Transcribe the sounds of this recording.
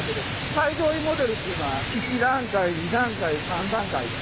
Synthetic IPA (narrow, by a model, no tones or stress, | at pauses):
k̪ed̪e | saidoːimo̞d̪e̞ɾɯt̪ːeiɯ̟noakʲikʲiɾãŋkaiɲid̪ãŋkaisãnd̪ãŋkai